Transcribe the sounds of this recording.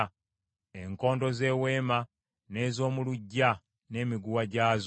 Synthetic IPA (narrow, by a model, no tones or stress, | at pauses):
eŋko̞ːndo̞ze̞ːwe̞ːma | ne̞ːzo̞ːmuluɟːa | ne̞ːmiɡuwaɟaːz